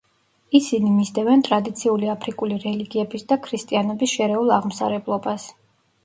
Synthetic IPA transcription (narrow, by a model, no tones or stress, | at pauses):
isinimizd̪ɛvɛnt̪ʼɾad̪it̪sʰiuliapʰɾikʼuliɾɛliɡiɛbisd̪akʰɾist̪ʼianɔbisʃɛɾɛulˠaʁm̩sa̰ɾɛblˠɔbas